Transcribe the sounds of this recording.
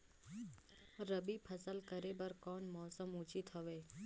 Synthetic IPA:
ɾəbipʰəsəlkəɾebəɾkɔːnmɔːsəmʊt͡ʃit̪ɦɔʋeː

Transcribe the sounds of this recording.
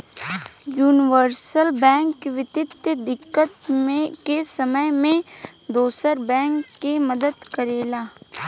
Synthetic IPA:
juːnɪʋəɾsəlbɛ̃ːŋkːʋɪt̪ɪt̪jəd̪ɪkːət̪mẽkesɐməjmẽ | d̪oːsəɾbɛ̃ːŋkːemɐd̪əd̪kəɾeːlaː

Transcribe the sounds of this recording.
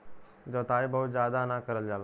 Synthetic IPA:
d͡zot̪ajbəɦut̪d͡zad̪anakəɾəld͡zala

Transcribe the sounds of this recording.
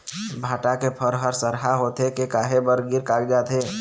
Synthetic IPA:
bʱaːʈakepʰəɾɦəɾsəɾɦaɦoːt̪ekekaːɦebəɾɡɪɾkaːkd͡ʒaːt̪ɦeː

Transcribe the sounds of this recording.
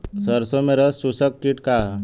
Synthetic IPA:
səɾsõmẽɾəsusəkːiʈka

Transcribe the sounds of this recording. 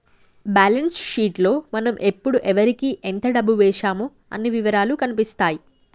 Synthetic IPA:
baːlensʃiːʈlo̞ːmɐnɐmʔe̞pːuɽuʔɛʋɐɾikiːʔɛnt̪ɐɖɐbːuʋɛːʃaːmu | ɐ̰nːiʋiʋɐɾaːlukɐnipist̪aːji

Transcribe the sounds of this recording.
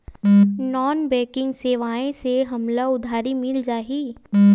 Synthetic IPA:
nɔːnbɛːkɪ̃ŋɡseːʋaːẽseɦɐmlaʊd̪ʱaːɾimɪld͡ʒaːɦiː

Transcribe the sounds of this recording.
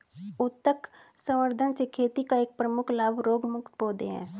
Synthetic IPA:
ʊt̪ːəksə̃məɾd̪ʱənsekʰeːt̪ikaeːk̚pɾəmʊkʰlaːbɾoːɡmʊkt̪poːd̪eɦɛ̰̃ː

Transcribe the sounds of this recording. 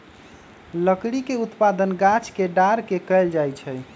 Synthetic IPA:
ləkɽikeut̪pad̪ənɡat͡ʃʰkeɖaɾkekəɪld͡ʒajt͡ʃʰɛj

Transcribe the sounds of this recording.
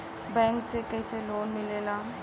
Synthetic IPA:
bɛ̃ːŋksekɛiseloːnmɪleːlaː

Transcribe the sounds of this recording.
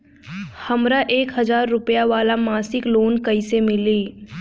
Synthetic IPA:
hɐmɾaʔeːkɦɐzaːɾːʊpjaʋaːlamaːsɪkloːnkɐisemɪliː

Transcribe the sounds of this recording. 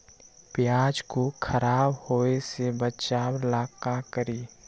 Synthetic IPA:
pjaːd͡ʒkokʰəɾaːbhoːesebət͡ʃaːwlaːkakəɾiː

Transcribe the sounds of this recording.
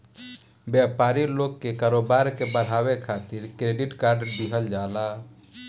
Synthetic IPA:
bjɛpaːɾiloɡkekaːɾobaːɾkebəɽ̤aːwekʰaːt̪ɪɾkɾeːɖiʈkaːɾɖbiɦəld͡ʒaːla

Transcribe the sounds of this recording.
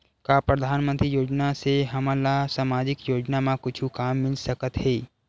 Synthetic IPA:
kaːpɾɐd̪ʱaːnmə̃nt̪ɾijoːd͡ʒnaseɦɐmãlasaːmaːd͡ʒɪkjoːd͡ʒnamãkʊt͡ʃʰukaːmːɪlsəkət̪ɦeː

